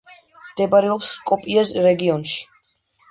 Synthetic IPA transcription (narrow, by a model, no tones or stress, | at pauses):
md̪ɛbaɾɛɔpskʼɔpʼiasɾɛɡiɔnʃi̥